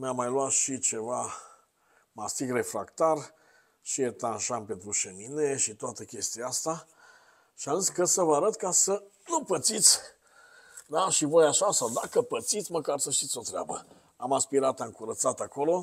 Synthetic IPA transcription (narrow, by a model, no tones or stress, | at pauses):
mjamːajlwat̪ʃit͡ʃe̞va | mast̪ikre̞fɾakt̪ar | ʃiet̪anʃanpe̞nt̪ɾuʃemineʃit̪oat̪əkʲe̞st̪ijaast̪a | ʃianɨnskəsəvəaɾət̪kasənupət̪sit̪sʲ | d̪aʃivo̞jaʃasawd̪akəpət̪sit̪sʲməkarsəʃt̪it̪sʲo̞t̪ɾea̰bə | amaspiɾat̪amkuɾət̪sat̪ako̞lo̞